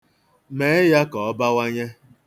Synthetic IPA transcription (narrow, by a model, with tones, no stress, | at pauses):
me˨e˦ja˦kɔ˨ɔ˦ba˦wa˦ɲe˦